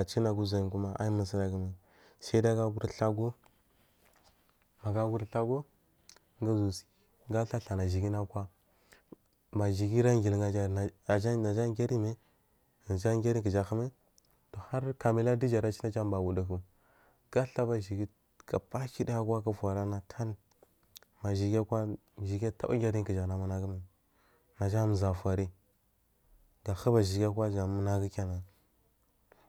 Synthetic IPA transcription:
a˨t͡ʃi˦na˨ɡu˦za˨ji˨ku˦ma˦ʔa̰˦i˦mə˨s̬i˦na˨ɡə˨mi˨ | sa˦i˦da˦ɡa˦ɡu˦ɾɬa˦ɡo˦ | ma˨ɡa˦ɡu˦ɾɬa˦ɡo˦ | ŋɡa˦zu˨si̥˨ | ɡa˦ɬa˦ɬa˨na˨ʒi˨ɡi˦na˦kwa˦ | ba˨ʒi˨ɡi˦ɾa˦ŋɡi˨lŋa˨d͡ʒa˦˨a˨d͡ʒa˦na˨d͡ʒa˦ɡʲa˦ɾi˦me˦ | na˨d͡ʒa˦ɡʲa˦ɾi˦ki˨d͡ʒa˨xə˦me˦ | to˨ha˦ɾka˨mi˨la˦di˦d͡ʒa˨ɾa˦t͡ʃi˦na˦d͡ʒa˦m˦ba˨wu˨da˨ku˨ | ɡa˦ɬa˦ba˦ʒi˨ɡi˦ | ɡa̰˨pa˦ki˦da˦ja˦kʷa˦ka˦fa˨ɾa˦na˦kʰa˦l | ma˨ʒi˨ɡʲa˦kʷa˦ | ʒi˨ɡʲa˦ta̰˦ba̰˦ɡʲa˦ɾi˦kə˨d͡ʒa˨na˨mu˦na˦ɡə˦me˨ | na˨d͡ʒa˦m˨za˨fʷa˨ɾi˦ | ɡa˨xə˦ba˨ʒi˨ɡʲa˦kwa˦d͡ʒa˨mu˦na˦ɡə˦kʲa˦na˨

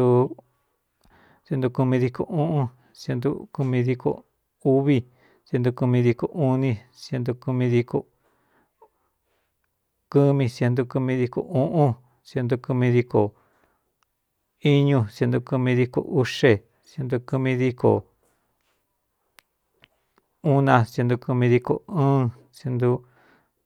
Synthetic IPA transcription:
u˧ | sje˧nd̪u˧ku˧mĩ˧ði˧ko̰˨ʔũ˦ʔũ˦˧ | sje˧nd̪ṵ˧ku˧mĩ˧ði˧ko̰˨ | u˦βi˧ | sje˧nd̪u˧ku˧mĩ˧ði˧ko̰˨ʔu˦nĩ˧ | sje˧nd̪u˧ku˧mĩ˧ði˧ko̰˨ | ku˦mĩ˧sje˧nd̪u˧ku˧mĩ˧ði˧ko̰˨ũ˦ʔũ˦ | sje˧nd̪u˧ku˧mĩ˧ði˧ko˨ | i˦ɲũ˧sje˧nd̪u˧ku˧mĩ˧ði˧ko̰˨ʔu˦ʂe˧ | sje˧nd̪u˧ku˧mĩ˧ði˧ko˨ | u˦nã˧sje˧nd̪u˧ku˧mĩ˧ði˧ko̰˨ɨ̃ː˦ | sje˧nd̪u˧

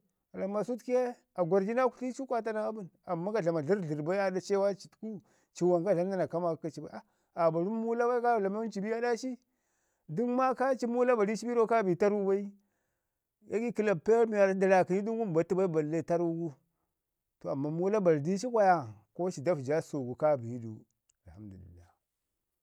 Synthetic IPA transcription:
a˨la˨ma˨su˦tke˦ | a˨ɡʷa˨ɾd͡ʒi˦na˦ku̥˨ɬi˦t͡ʃi˦kʷa˦t̬a˦ɾa˦a˦bu˦na˨mːa˦ɡa˨ɮa˨ma˨ɮi˦ɾɮi˨ɾba˦a˦da˦t͡ʃe˦wa˦t͡ʃi̥˨tku˦ | t͡ʃi˨wa˨ŋɡa˦ɮa˦m˦da˦na˨ka˦ma˨˦a˨t͡ʃi˨ba˨˦a˦ | a˨ba˨ɾu˦m˦mu˦la˦wa˦i˦ka˦˨la˨ma˦t͡ʃi˨bi˦ja˦da˦ʃi˦ | du˦nma˦ka˦t͡ʃi˦mu˦la˦ba˨di˦t͡ʃi˦bi˦ɾo˦ka˦bi˨ta˦ɾu˦ba˦i˦ | ja˦ɡi˦ki˨la˨pe˦ɾmi˨ja˨ɾda˨la˨ki˨ni˦du˦ŋwu˦m˨ba˨ti˦ba˦i˦ba˨lːe˦˨ta˦ɾu˦ɡu˦ | to˨a˨mːa˨mu˦la˦ba˨ldi˦t͡ʃi˦kʷa˦˨ja˦ko˦t͡ʃi˨da˦fd͡ʒa˦so˨ɡu˨ka˦bi˨˦dṵ˨ | a˨lha˦mdu˨lḭ˨lːa̰˦

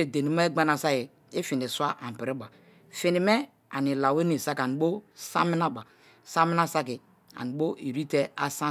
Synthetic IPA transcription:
e˨de˨ni˨˦ma˦e˦ɡ͡ba˦na˨sa˦ji˨ | i˦fi˨n˨i˨sa˦ʔa˨m˨pi˨ɾi˦ba˨ | fi˨ni˨me˦ | a̰˨ni˨la˨we˦ni˨sa˦ka˨ni˨bo˦sa˦mi˦na˦ba˨ | sa˦mi˦na˦sa˦ki˨ | a̰˨ni˨bo˦i˨ɾi˦te˦a˦sa˦

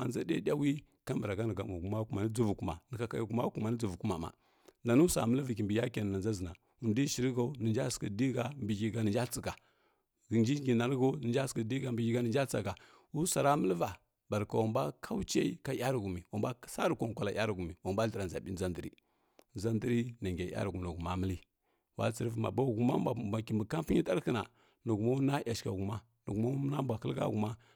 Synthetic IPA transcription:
a̰˨nza˦da̰˦dʲa˦wi˦ka˦mbə˨ɾa˨ɡa˦nə˨ɡa˨ma˨ɡu˨ma˦ku˦ma˨ni˦d͡zu˦vu˨ku˦ma̰˨nə˨ka˨ka˨ju˨ɡu˨˦ma˦ku˦ma˨nə˦d͡zu˨vu˨ku˦ma̰˨ma̰˨ | nda˨nu˦sa̰˨mə˦lvi˨ki˨mbi˨ja˦ka˨n˨na˨nza˦zə˨na˨ | u˨ndi˦ʃi˨ɾi˦ɡa˦nə˨nd͡ʒa˦skə˨di˦ɡa˨mbi˨ɡi˨ɡa˨nə˨nd͡ʒa˦t͡si˨ɡa˨ | ɡə˨nd͡ʒi˦ɡi˨na˨nə˦ɡo˦nə˨nd͡ʒa˦skə˨di˦ɡa˨mbi˨ɡi˦ɡa˨nə˨nd͡ʒa˦t͡sa˨ɡa˨ | wu˦sa˨ɾa˦mə˦lva˨ | ba˨ɾka˨wa˨mba˦kʰa˦wt͡ʃe˦i˦ka˦ja˦ɾɡu˨mi˨wa˨mba˦sa˦ɾu˨kʷo˨ŋ˨kʷa˨la˨ja˦ɾɡu˨mi˨wa˨mba˦ɬə˨ɾa˨nza˨bi˦za˦ndə˨ɾḭ˦ | nza˦ndə˦ɾi˦na˨ŋɡʲa˨˦a̰˦ɾɡu˨m˨na˨ɡu˨ma˦mə˦li˦ | wa̰˦t͡si˨ɾvma̰˨ba˦˨ɡu˨ma˦m˦bʷa˨bʷa˨ki˨mbə˨ka˦mpa˦i˦ta˦ɾkə˦na̰˨ | nu˨ɡu˨ma˦na˦ja˨ʃka˨ɡu˨ma˦ | nu˨ɡma˦u˦na˦m˦bʷa˨kə˦ɡa̰˦ɡu˨ma˦

